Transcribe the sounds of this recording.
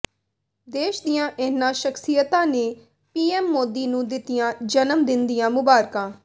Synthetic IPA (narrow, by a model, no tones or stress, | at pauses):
d̪eːʃd̪ɪjãːʔɪnãːʃəksɪjət̪ãːneː | piːɛːmːoːd̪iːnũːd̪ɪt̪ɪjãːd͡ʒənəmd̪ɪnd̪ɪjãːmʊbaːɾkãː